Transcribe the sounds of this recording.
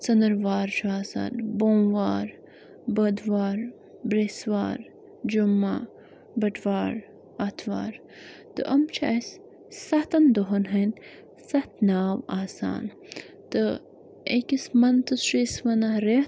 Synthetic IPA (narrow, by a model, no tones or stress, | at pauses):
t͡sɐnd̪ɐɾʋaːɾt͡ʃʰuaːsa̰ːnboːmʋaːɾ | bəd̪ʋaːɾ | bɾesʋa̰ːɾ | d͡ʒumːa | bɐʈʰʋaːɾ | ɐt̪ʰʋa̰ːɾ | t̪ɨ̰ʔɐmt͡ʃʰa̰ːjs | sɐt̪ɐnd̪oɦɐnɦɐn | sɐht̪naːwaːsa̰ːn | t̪ɨ | ekismɐnt̪ɨsɾiːsʋɐnɐɾe